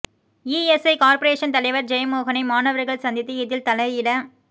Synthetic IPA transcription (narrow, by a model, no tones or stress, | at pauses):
iɛsɐɪkaːɾpɐɾeːʂɐnt̪ɐlɐɪʋɐɾd͡ʒɛjɐmoːɣɐnɐɪmaːnɐʋɐɾɣɐɭsɐnd̪ɪt̪ːɯɪðɪlt̪ɐlɐɪjɪlɐ